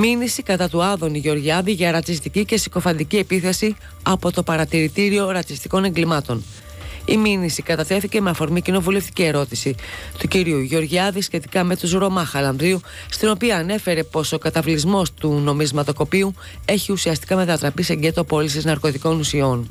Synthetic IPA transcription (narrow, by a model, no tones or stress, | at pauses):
minisikɐt̪ɐt̪uɐðo̞niʝo̞ɾʝiɐðiʝɐɾɐt͡sis̬t̪icice̞si̥ko̞fɐnd̪icie̞piθe̞si | ɐpo̞t̪o̞pɐɾɐt̪iɾit̪iɾio̞ɾɐt͡sist̪i̥ko̞ne̞ŋɡlimɐt̪o̞n | iminisikɐt̪ɐt̪e̞θice̞me̞ɐfo̞ɾmicino̞vule̞ft̪i̥cie̞ɾo̞t̪isit̪uciɾiuʝo̞ɾʝiɐðisçe̞t̪i̥kɐme̞t̪uzɾo̞mɐxɐlɐɱvɾiu | st̪ino̞piɐːne̞fe̞ɾe̞po̞so̞kɐt̪ɐvlizmo̞st̪uno̞mizmɐt̪o̞ko̞piu | e̞çiusiɐst̪i̥kɐme̞t̪ɐt̪ɾɐpise̞ɟe̞t̪opo̞lisiznɐɾko̞t̪iko̞nusio̞n